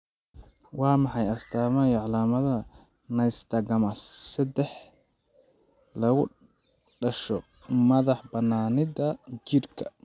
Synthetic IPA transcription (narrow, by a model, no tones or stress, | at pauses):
wɑːmɑħɑjɐst̪ʰaːmɐjʕɑlaːmɐðɐ | nɐjst̪ʰɐɡɐmɐsɐd̪ɛħ | lɐɣʊ̰ | ɖɐʃɔ | mɐðɑħbɐnaːnɪðɐt͡ʃɪrkʰɐ̥̰